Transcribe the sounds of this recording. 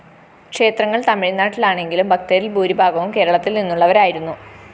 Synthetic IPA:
kʂe̞ːt̪rɐŋːɐɭt̪ɐmiɻinːaːʈːilaːɳe̞ŋɡilumbʱɐk̚t̪eːɾilbʱuːɾibʱaːɡɐʋumke̞ːɾɐɭɐt̪ːilninːuɭːɐʋɐɾaːjiɾunːu

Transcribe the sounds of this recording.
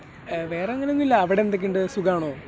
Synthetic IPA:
ʋeːrɐŋːɐlunːilːɐːʋiɽend̪ɐk̬ʲːeɳɖɨsuɡɐaːɳoː

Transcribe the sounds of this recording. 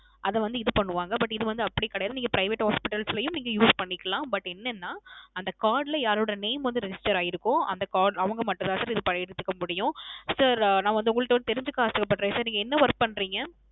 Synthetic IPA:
ʔɐðɛʋɐnd̪ɯɪðɯpɐɳːɯʋaːŋɡɐbɐʈːɪðɯʋɐnd̪ɯɐpːɐɽikːɐɽɐjaːðɯniːŋɡɐpɾɐɪʋeːʈhaːspɪʈːɐlslɐjʊ̃mniːŋɡɐjuːspɐɳːɪkːɐlãːbɐʈːɛnːɛnːaːɐnd̪ɐkaːɾɖlɐjaːɾoːɽɐneːɪmʋɐnd̪ɯɾɛd͡ʒɪsʈɐɾaːjɪɾɯkːʊ̃ɐnd̪ɐkaːɖɐʋɐŋɡɐmɐʈːʊ̃t̪ãːsaːɾɪðɯpɐʈːɯt̪ːɯkːɐmʊɽɪjʊ̃sɐɾnãːʋɐnd̪ɯʊŋɡɐɭɯʈːʋɐnd̪ɯt̪ɛɾɪɲd͡ʒɯkːɯaːst̪ɯkːɐpːɐʈːɾẽːsaːɾniːŋɡɐɛnːɐʋɐɾkpːɐɳɾiːŋɡɐ

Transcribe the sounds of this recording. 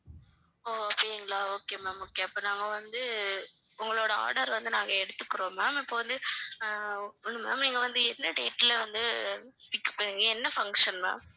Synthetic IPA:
oːɐpːeɛŋɡɐɭaːoːkːeːmaːmoːkːeːɐpːoːnaːŋɡɐʋɐnd̪ɯ | ʊŋɡɐɭoːɽɐa̰ːɽɐɾʋɐnd̪ɯnaːŋɡɐɛɽɯt̪ːɯkːɯɾõːmaːmɪpːoːʋɐnd̪ɯ | nːɯma̰ːmniːŋɡɐʋɐnd̪ɯɛnːɐɖḛːʈːɪlɐʋɐnd̪ɯ | pɪkːɐ̥pːɐɳiŋɡɐɛnːɐfɐŋkʂɐnmã̰ːm

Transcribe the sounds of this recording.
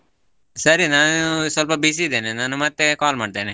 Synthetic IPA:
sɐɾinaːnusʋɐlpɐbis̬id̪eːnenaːnumɐt̪ːekaːlmaːɖt̪eːne

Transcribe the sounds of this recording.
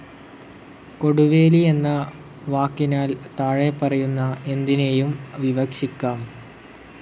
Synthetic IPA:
ko̞ɽuʋe̞ːlie̞nːɐ | ʋaːkːinaːlt̪aːɻepːɐrɐjunːɐe̞nd̪inejumʋiʋɐkʂikʲːaːm

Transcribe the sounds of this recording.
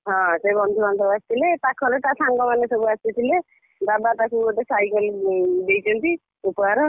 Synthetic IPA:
ɦɔ̃sebɔnd̪ʱubansɔbuast̪ʰilet̪akʰɔlet̪asaŋɡɔmanesɔbuast̪it̪ʰile | d̪abat̪akʰuɔʈesajkɔld̪ejt͡ʃʰɔnt̪i | upɔaɾɔ

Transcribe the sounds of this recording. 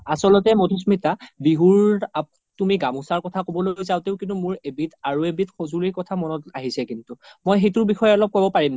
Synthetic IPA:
asɔlɔtɛmodʰʱusmitabiɦuɹa | tumiɡamusaɹkɔtʰakobɔlojzaʊteʊkĩntumʊɹebitaɹuebitxozuliɹkɔtʰamɔnɔtaɦisɛkintumojɦetʊɹbixɔjɛɔlɔb̚kobɔpaɹim

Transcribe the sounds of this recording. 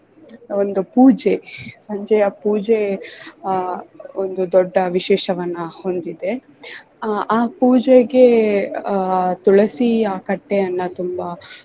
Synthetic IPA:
ond̪upuːd͡ʒesɐɲd͡ʒɐjɐpuːd͡ʒe | ond̪ud̪ɔɖːɐʋiʃɛːʃɐʋɐnːɐho̞nd̪id̪e̞ | aːpuːd͡ʒeɡe̞ | t̪uɭɐsiaːkɐʈːejɐnːɐt̪umbɐ

